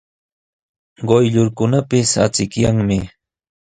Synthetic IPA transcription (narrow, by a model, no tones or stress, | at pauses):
ɢojʎʊɾkʊnapɪsa̰t͡sɪkjaŋmɪ